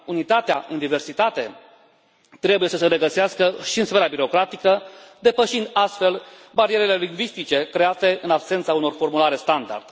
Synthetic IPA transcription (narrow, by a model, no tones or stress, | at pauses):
unit̪at̪ea̰ʔɨnd̪ive̞rsit̪at̪e̞ | t̪ɾe̞buje̞səsəɾe̞ɡəseaskəʃiɨnsfe̞ɾabiɾo̞kɾat̪ikəd̪e̞pəʃind̪ast̪fe̞l | baɾieɾele̞liŋɡvist̪it͡ʃe̞kɾe̞at̪e̞ɨnabse̞nt̪sauno̞rfo̞rmulaɾe̞st̪and̪a̰rd̪̥